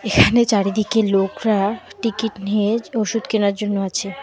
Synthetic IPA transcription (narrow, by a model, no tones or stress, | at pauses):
ekʰanet͡ɕaɾid̪ikelokɾaʈikiʈnieoʃud̪kenaɾd͡ʑonːoat͡ɕʰe